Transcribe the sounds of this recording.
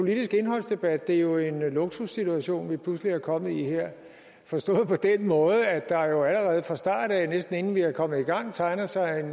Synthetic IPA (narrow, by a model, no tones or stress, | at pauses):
pʰo̝lid̥isɡ̥e̝nɦɒ̽l̰sd̥e̝b̥æd̥ːe̝jo̝e̝nloɡ̥susit͡sʰuæɕo̝̰ːnʋipʰluslihɑkʰɒ̽mð̩ˠiheɐ̰ | fɒ̽sd̥ɔ̰̽ːð̩ˠpʰɒ̽d̥enmɔ̽ːð̞̩ˠəæd̥ɑ̈jo̝æləʁɛːð̞̩ˠfʁɑ̈sd̥ɑ̰̈ːd̥ænesd̥n̩e̝nn̩ʋihɑ̈kʰɒ̽mð̩ˠiɡ̥ɑ̈ŋ̰t͡sʰɑ̈ɪnɐsɑ̈ɪe̝n